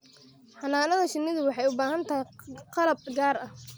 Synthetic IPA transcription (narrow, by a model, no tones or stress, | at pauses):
ħɑnaːnɐðɐʃɪnːɪðʊwɑħɑjʊbaːɦɐnt̪ʰajqɑlɐb̚ɡaːrɐh